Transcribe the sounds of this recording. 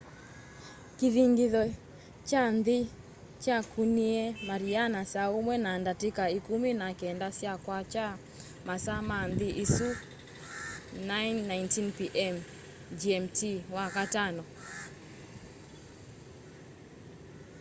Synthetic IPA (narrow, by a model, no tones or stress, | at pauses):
kiðiŋɡiðɔ | t͡ʃanði | t͡ʃakʰuniɛmaɾianasaomwɛnandatekaikuminakɛndasjakwat͡ʃa | masamanðiʔisu | najnːaintinpiʔɛm | d͡ʒiɛmtʰiwakatanɔ